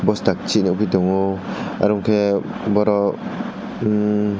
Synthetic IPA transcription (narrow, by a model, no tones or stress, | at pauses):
bɔsdak̚t͡ʃʰiniupʰidɔŋɔa̰ɾɔŋkʰebɔɾɔ